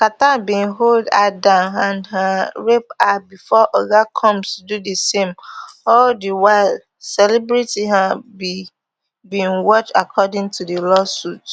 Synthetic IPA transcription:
katabĩnɦolda̰dããnɦãɹep̚abifɔʔɔɡakʰɔ̃msdudesẽmɔldiwaɪl | sɛlɛbɹitiɦabi | bĩnwɔt͡ʃakʰɔdɪ̃ŋtudelɔsut

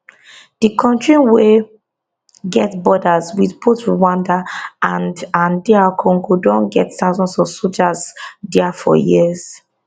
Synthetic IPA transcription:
d̥ikʰɔ̃ntɹĩnwe | ɡɛtbɔdazwiðpʰotwãndaãndãndɛakʰɔ̃ŋɡodɔ̃nɡɛttaʊzɔ̃nsɔvsold͡ʒazdɛafɔ̰jiəz̥

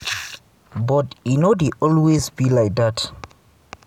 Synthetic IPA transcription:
bɔtinɔdeʔɔlwezbilajk̚dat

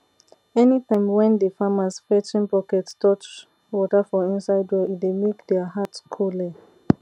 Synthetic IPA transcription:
ɛnitʰãɪ̃mwɛ̃ndəfamasfɛtĩnpɔkɛttɔt͡ʃ | wɔtafɔĩnsaɪdwɛidemekdɛaɦatskʰolɛ

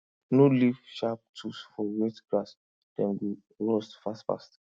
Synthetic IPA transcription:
nolifʃap̚tʰusfɔwɛtɡɹas | d̥ɛ̃nɡi | ɹɔstfastfa̰st

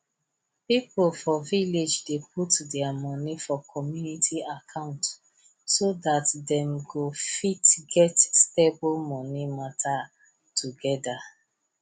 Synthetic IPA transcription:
piplfɔviled͡ʒdep̚utdɛamɔnifɔkʰɔmjunitʰiakʰãʊ̃nt | sodatdɛ̃mɡofitɡɛtsteblmɔnimatʰa | tʰuɡɛda

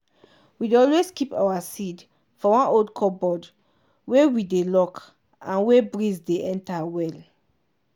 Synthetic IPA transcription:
wideɔlweskipa̰wasid | fɔwɔ̃noldkʰɔbɔd | wewidelɔk | ãnwebɹizdeɛ̃ntawɛl

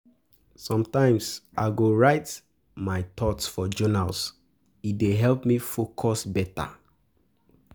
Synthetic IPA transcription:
sɔ̃mtãɪ̃msaɪɡoɹaɪt | maɪtʰɔtsfɔd͡ʒɔnals | ideɦɛlpmifokʰɔsbɛta̰

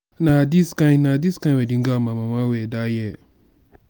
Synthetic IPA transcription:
nadiskãɪ̃nnadiskãɪ̃nwɛdĩŋ̩ɡamãmãmãwɛdajɛ

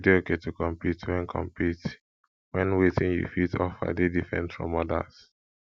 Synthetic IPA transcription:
deoketukɔ̃mpitwɛ̃nkʰɔ̰̃mpit | wɛ̃nwetʰɪ̃njṵfitʰɔfa̰dedifɹɛ̰̃ntfɹɔ̰̃mɔda̰z̥

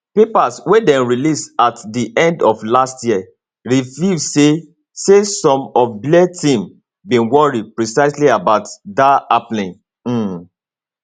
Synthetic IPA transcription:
pepaswedɛ̃nɹilisatdiʔɛ̃ndɔflastjiə | ɹivise | sesɔ̃mɔfblɛtĩm | bĩnwɔɹipɹisaɪsliabaʊtdaaplĩn̩

